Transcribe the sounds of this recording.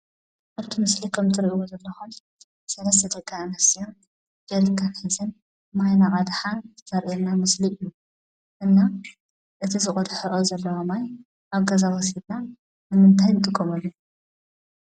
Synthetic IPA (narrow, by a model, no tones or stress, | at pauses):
ʔaβt̪ʰimɨslikʰɐmt̪ʰɨɾiʔiwozɐlːɐxun | sɐlɐsɨd̪ɐɡʼaɨnɐsijom | d͡ʒɐlkʰanħɨzɨn | majnakʼad̪ħantʰɨ̥t̪ʰɐɾʔinːamɨsliʔɨjːu | ʔɨnːa | ʔɨt̪ʰizɨχʼɔd̪ħoʔozɐlːɐwomaj | ʔaβɡɐzawɔsid̪na | nɨmɨnt̪ʰajnt̪ʼɨkʼːomɐlːu